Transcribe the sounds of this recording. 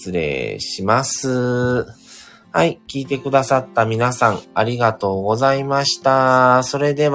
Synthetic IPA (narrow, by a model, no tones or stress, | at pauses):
ɨɾe̞̰ːɕimasɨ | haikʲiːt̪e̞kɯ̟d̪asat̪ːamʲinasãŋaɾʲiɡat̪o̞ːɡo̞zaimaɕi̥t̪aso̞ɾe̞d̪e̞β